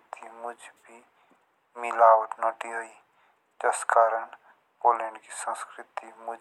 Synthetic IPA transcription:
t̪imʊd͡ʒʱbʱi | mɪlaːʋət̪naʈiɦəi | t̪ɐskaːɾən | poːlẽːɳɖkisə̃nskɾɪt̪imʊd͡ʒ

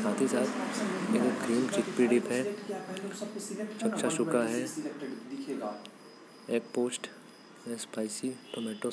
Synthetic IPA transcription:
saːt̪ʰisaːt̪eːkɡɾiːmt͡ʃɪk̚piːɖipɦɛ̃ | t͡ʃɐkt͡ʃaʃʊkaɦɛ | eːk̚poːsʈ | ɛ̃spaːɪsiʈomɛːʈo

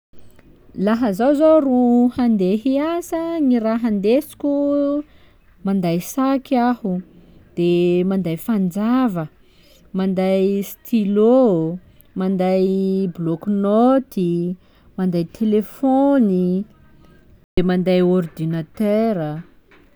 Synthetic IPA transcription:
laɦəzawzoruhand̪eɦiasəŋiɾaɦand̪esi̥kʲu | mand̪ajsakahu | d̪̥emand̪ajfand͡zavə | mand̪ajst̪ʰilo | mand̪ajblɔknot̪i | mand̪ajt̪ʰelefoni | d̪̥emand̪ajɔrd̪inat̪øɾə

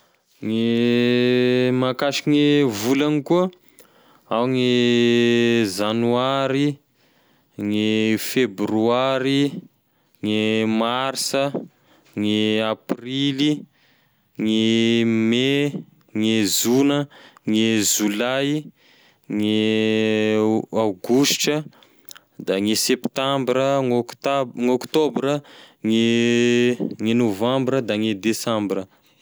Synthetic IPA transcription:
ŋe | makaʃiŋevulanikuə | awŋe | zanuaɾi | ŋefebryaɾi | ŋemarsə | ŋeaprili | ŋeme | ŋezunəŋeʒulaj | ŋe | awɡusʈ͡ʂə | d̪aŋesept̪ãmbɾəŋokt̪ŋokt̪obɾəŋe | ŋenovãmbɾəd̪aŋed̪esãmbrə

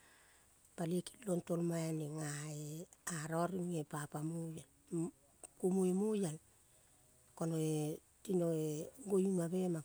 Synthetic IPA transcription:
palieki̥lontolmajaneŋaeaɾoɾiepapamujal | kumuemujal | konoe | tinoeɡojumaβema

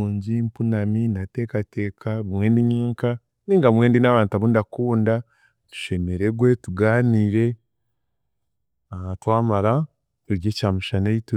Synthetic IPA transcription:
uːɲɟimpunaminate̞ːkate̞ːkʰaβumweːndiɲiːŋka | niːŋɡaumwe̞ːndinaːβaːntuaβundakuːnda | tu̥ʃe̞meɾe̞ɡwe̞tuɡaːniːɾe̞ | aatwaːmaɾa | eɾjeːcaːmuʃaneitu

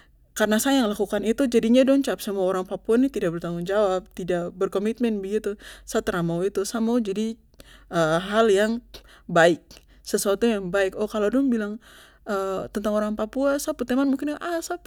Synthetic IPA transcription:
karənasajaaŋəlakukanit̪ud͡ʒadiɲadɔŋt͡ʃap̚səmuaoɾaŋpapuanit̪idaʔ̚bərt̪aŋʊŋd͡ʒawap̚t̪idaʔbərkomit̪̚mɛnbəɡit̪usat̪əɾamawit̪usamawd͡ʒadi | ʔəɦaljaŋ | baɪk̚ | səsuat̪ujaŋbaɪkɔkaladɔŋbilaŋ | ət̪ənt̪aŋoɾaŋpapuasaput̪emanmuŋkɪnʔasap

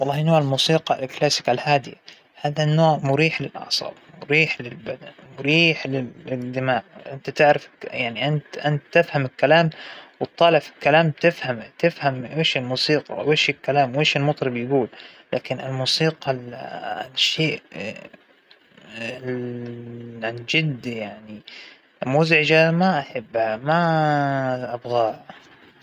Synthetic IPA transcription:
wɑlˤːɑːhɪnoːʕɪlmuːsiːqɑlklaːsɪ̥kalhaːd̪ɪja | haːðanːoːʕmʊɾiːħlɪlʔɑ̰ʕsˤɑ̰ːbmʊɾiːħlɪlbad̪anmʊɾiːħlɪɪd̪ɪmaːʕʔɪnt̪at̪ɪʕɾɪfjaʕniʔɪnt̪ʔɪnt̪ːɪfhamɪlkːalaːmwɨt̪ˤːɑːlɪfilkːalaːmbt̪ɪfhamt̪ɪfhamweːʃɪlmuːsiːqɑ̰weːʃɪlkalaːmweːʃɪlmʊt̪ˤɾˤɑbjɪɡuːllaːkɪnɪlmuːsiːqɑl | ʃːeːʔ | ʕand͡ʒɪd̪ːjaʕni | mʊzʕɪd͡ʒamaʔaħɪbːhama | ʔabɣaː

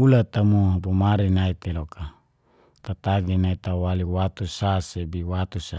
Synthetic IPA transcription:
ulat̪amuɦabumaɾinait̪elokʰa | t̪at̪aɡinait̪awaliwat̪usasebiwat̪usa

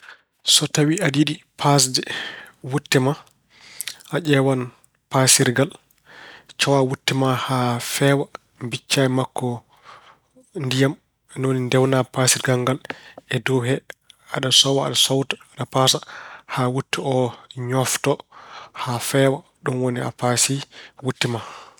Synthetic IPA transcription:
sɔtawiadiɗipʰas̬dɛwutːɛma | ʔaʄɛwan | pasiɾɡal | t͡ʃɔwawutːɛmahafɛwa | mbit͡ʃːaɛmakːɔ | ndijam | ɛnonindɛwnapasiɾɡaŋɡalɛdɔɦɛaɗasɔwaa̰ɗasɔwtḁɗapasahawutːiɛɔɲɔftɔhafɛwa | ɗɔnwonia̰pasiwutːima

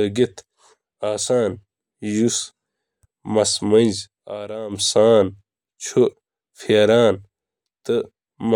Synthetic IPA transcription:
ɐɡet̪ʰ | aːsaːn | jus | mɐsmɐiz | aːɾaːmsaːn | t͡ɕʰu | fʰeːɾaːn | t̪ɨ | m

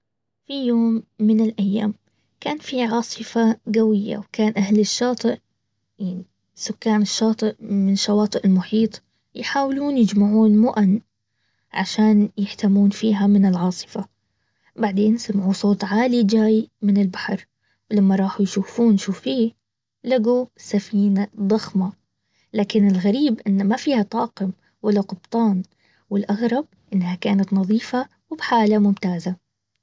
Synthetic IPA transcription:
fijoːmːɪnɪlʔajːaːm | kaːnfiʕɑːsˤɨfaɡawɪjːa̰wkaːnʔahlɪʃːɑːt̪ˤɨʔ | jaʕni | sʊkːaːnɪʃːɑːt̪ˤɨʔmɪnɪʃːɑwɑːt̪ˤɨʔɪlmʊħiːt̪ˤ | jħaːwɪluːnjɪd͡ʒmaʕuːnmʊʔan | ʕaʃaːnjɪħt̪amːuːnfiːɦamɪnɪlʕɑːsˤɨ̥fa | baʕd̪eːnsamʕuːsˤoːt̪ˤʕaːlid͡ʒaːjmɪnɪlbaħɑɾˤ | wlamːaɾˤɑːħujʃuːfuːnʃuːfiː | laɡusafiːnad̪ˤɑxma | laːkɪnɪlɣaɾiːbʔɪnːmafiːhat̪ˤɑːqɪm | walːaqʊbt̪ˤɑːn | wɪlʔaɣɾˤɑb̚ʔɪnːhakaːnat̪nɑðˤiːfa | wɪbħaːlamʊmt̪aːza

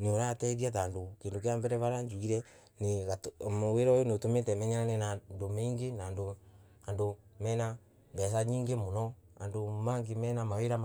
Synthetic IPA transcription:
noɾatɛðiataːndokendokeambɛɾɛβaɾaɲd͡ʒuɣiɾɛ | neɣamweɾɔjonotometɛmɛɲananenandomeŋɡenando | ando | mɛna | bɛs̬aɲiːŋɡemonɔ | a̰ndomaŋɡemɛːnamaweɾa

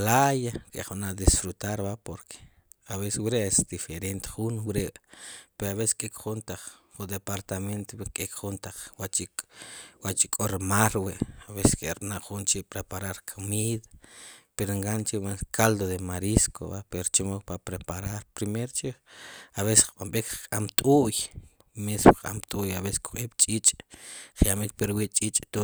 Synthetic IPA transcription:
lajakʼḛχnaʔd̪isfɾut̪aɾbaʔpoɾkʰe̥ | aβeswɾeesd̪ifeɾent̪χunwɾeʔpeɾoaβese̥skʼekχunt̪aq͡χχud̪epaɾt̪ament̪wekʼekχunt̪aq͡χwat͡ʃikwat͡ʃikʼoɾmaɾweʔaβese̥skʼeɾnaʔχunt͡ʃiʔpɾepaɾaɾkʰamiðapeɾeŋɡant͡ʃiwekʰald̪oðemaɾiskʰo̰βapeot͡ʃimokpapɾepaɾaɾpɾimeɾot͡ʃiaβese̥χɓamɓekqʼamt̪ʼuj | mesmoa̰mt̪ʼujaβese̥sku̥χeːɓt͡ʃʼit͡ʃʼχjamikpeɾwiːʔt͡ʃʼiːt͡ʃʼt̪u

